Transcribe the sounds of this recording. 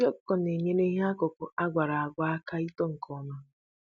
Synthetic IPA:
ɔ˦kɔ˨ne˨ɲe˦ne˦ɦe˦a˦kʊ˨kʊ˨ʔa˦ɡʷa˨ɾa˨a˨ɡʷa˦a˦ka˦i˦tɔ˦ŋ̩˨kʰɔ˨ma˦

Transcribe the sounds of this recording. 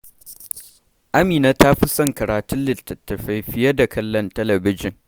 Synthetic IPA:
ʔa˦miː˨naː˦ta˦ɸi˦sɐ˦˨ŋkɐ˨ɾaː˨tʊ˦nlɪ˦˨tːɐ˨tːɐ˨ɸa˦jɸɪ˦jɐ˦da˨kɐ˦lːɐ˦ntɐ˦lɐ˨bɪ˦d͡ʒɪ˨ŋ

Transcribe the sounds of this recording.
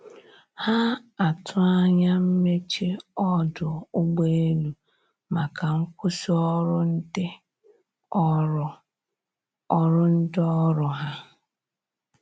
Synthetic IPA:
ha˦a˨tʰʊ˦a˦ɲa˦m̩˦me˦t͡ʃe˦ɔ˦dʊ˨ʊ˦ɡ͡be˦e˦nu˨ | ma˨ka˨ŋ̩˦kʷʊ˦si˦ɔ˦ɾʊ˦n̩˦dɪ˦˨ | ɔ˦ɾʊ˦n̩˦dɪ˦ɔ˦ɾʊ˨ɦa˦

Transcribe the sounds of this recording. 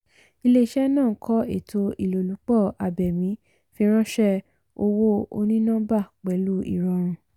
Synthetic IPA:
i˧le˦i˦ʃɛ˦nãː˦˨˦kʰɔ˦ḛ˦˨tʰo˧i˦˨lo˨lu˨˦k͡pɔ˦˨a˨bɛ˨mĩ˨˦ | fĩ˧˦ɾ̃ã˦ʃɛ˦ | o˧wo˦o̰˧nĩ˦nã˦ba˦˨k͡pɛ˨˦lu˦ḭ˦˨ɾɔ˧˨ɾ̃ũ˧

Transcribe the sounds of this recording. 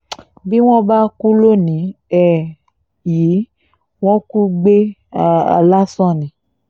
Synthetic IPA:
bi˦w̃ɔ̃˦ba˦ku˦lo˦nĩ˨˦ɛ˨ | ji˨˦ | w̃ɔ̃˦ku˦ɡ͡be˦a̰˨la˦sɔ̃˦˨nĩ˨˦

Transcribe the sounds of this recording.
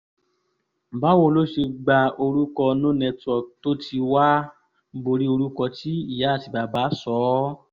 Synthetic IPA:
ba˨˦wo˦˨lo˦ʃe˧ɡ͡ba˧o˧ɾu˦kɔ˧nũ˦nɛ̃˧tɔ˨to˦tʰi˧wa˦ | bo˧ɾi˦o˧ɾu˦kɔ˧ti˦i˦˨ja˨˦˨ti˨ba˨baː˨˦sɔ˨˦

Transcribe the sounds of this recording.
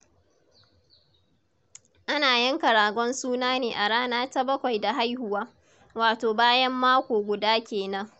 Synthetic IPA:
ʔa˦naː˨jɐ˦ŋkɐ˨ɾaː˨ɡʷɔ˦nsuː˦naː˦neː˨ʔa˨ɽaː˦naː˦ta˦bɐ˦kʷa˨jda˨ɦa˦jhʊ˦waː˦ | waː˨toː˨baː˦jɐ˦mːaː˦kʷoː˨ɡʷʊ˨daː˦kʲeː˨nɐ˦ŋ

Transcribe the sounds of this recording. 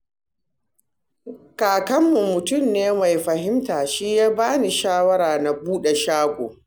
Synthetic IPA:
kaː˨kɐ˦mːu˨mʊ˨tʊ˦˨mneː˦ma˨jɸɐ˨ɦɪ˦mtaː˨ʃiː˦jaː˦baː˦ni˨ʃaː˦wɐ˦ɾaː˨na˨buː˦ɗe˨ʃaː˦ɡʷoː˨

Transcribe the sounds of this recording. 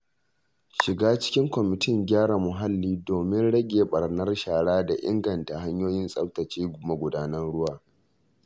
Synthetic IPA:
ʃɪ˨ɡaː˦t͡ʃɪ̥˦kʲɪ˦ŋkʷɔ˨mɪ˨tɪ˦˨ŋɡʲaː˦ɽa˨mʊ˨ɦa˦lːiː˦doː˨mɪ˦nɽɐ˦ɡʲeː˨ɓɐ˨rnɐ˦rʃaː˨ɽaː˦da˨ʔɪ̰˦ŋɡɐ˨nta˨ɦa˦ɲjoː˦jɪ˦nsʼɐ̰˦ptɐ˨t͡ʃiː˦ɡʷʊ˨ma˦ɡʷʊ˨daː˦nɐ˦nɽʊ˦waː˨

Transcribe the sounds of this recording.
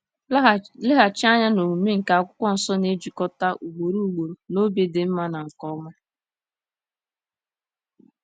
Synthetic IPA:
lɪ˦ɦa˨t͡ʃa˦ɲa˦no˨mu˨me˦ŋ̩˨ka˨a˨kʷʊ˦kʷɔ˦n̩˨sɔ˦ne˦d͡ʒi˨kɔ˦ta˦ʔu˨ɡ͡bo˨ɾu˦˨ɡ͡bo˨ɾo˨no˦be˨de˨m̩˦ma˦na˨ŋ̩˨kɔ˦ma˦

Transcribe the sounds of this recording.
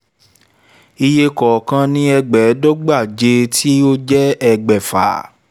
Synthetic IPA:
i˧je˧kɔ˨kã˧nĩ˦ɛ˧ɡ͡bɛ˨˦do˦ɡ͡ba˦˨d͡ʒe˧tʰi˦o˦d͡ʒɛ˦ɛ˧ɡ͡bɛ˨fa̰˨

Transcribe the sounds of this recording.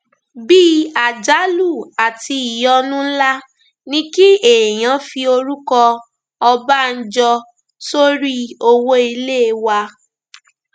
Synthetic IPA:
bi˦a˨d͡ʒa˨˦lu˦˨a˨ti˧i˨jɔ˧nũ˦la˦ | nĩ˦ki˦e˨j̃ã˨˦fi˧o˧ɾu˦kɔ˧ | ɔ˧ba˦n̩˦d͡ʒɔ˧ | so˦ɾi˦o˧wo˦i˧le˦˧wa˧

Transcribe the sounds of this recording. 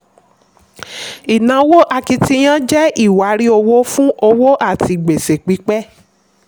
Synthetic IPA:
i˨nã˨˦wo˦ʔa˧ki˧ti˧˦j̃ã˦d͡ʒɛ˦i˦˨wa˨˦ɾi˦o˧wo˦fũ˦ʔo˧wo˦ʔa˦˨ti˧ɡ͡be˨se˨k͡pi˨˦k͡pɛ˦

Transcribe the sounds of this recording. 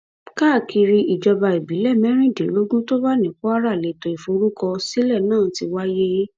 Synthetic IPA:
kaː˦˨ki˧ɾi˧i˨d͡ʒɔ˧ba˧i˨bi˨˦lɛ˦˨mɛ̃˦ɾ̃ĩ˦˨de˨˦lo˦ɡũ˦to˦ba˦nĩ˨˦k͡pɔ˦a˦ɾa˦˨le˨to˨i˨fo˨˧ɾu˦kɔ˧si˦lɛ˦˨nãː˦˨˦ti˧wa˦je˦

